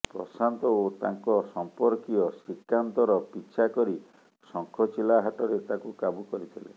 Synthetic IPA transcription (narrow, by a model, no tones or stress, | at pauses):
pɾɔ̰sant̪ɔot̪aŋkɔsɔmpɔɾkiɔsikːant̪ɔɾɔpit͡ʃʰakɔɾi | sɔŋkʰɔt͡ʃilaɦaʈɔɾet̪akukabukɔɾit̪ʰilḛ